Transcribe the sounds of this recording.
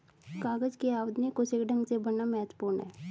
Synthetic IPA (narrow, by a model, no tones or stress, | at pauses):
kaːɡəd͡ʒkeaːwəd̪njekosekɖə̃ŋɡsebɐnamɛːt̪puːnɦɛː